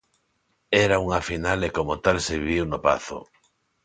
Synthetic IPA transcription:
ɛɾauŋafinalekomot̪alseβiiwnopa̰θo̰

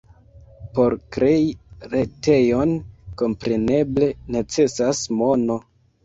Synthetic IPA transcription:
po̞ɾkɾe̞iɾe̞te̞jo̞nko̞mpɾe̞ne̞ble̞ne̞t͡se̞sasmo̞no̞

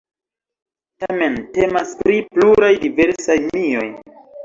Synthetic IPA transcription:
tame̞nte̞maspɾipluɾajdive̞ɾsajmio̞j

